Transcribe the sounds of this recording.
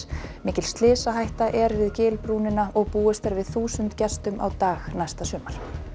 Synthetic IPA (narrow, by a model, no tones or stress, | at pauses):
mɪːcɪl̥st̪lɪːsaɦajht̪aʔɛɾvɪðcɪːlpɾuːnɪnaʔɔɣpuːɛst̪aɾvɪðθuːsʏnt̪cɛst̪ʏma̰wt̪aːɣnajst̪asʏːmal̥